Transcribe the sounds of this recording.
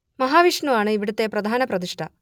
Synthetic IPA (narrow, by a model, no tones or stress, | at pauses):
mɐɦaːʋiʂɳuaːɳɨiʋiɽut̪ːepɾɐd̪ʱaːnɐprɐd̪iʂʈʰɐ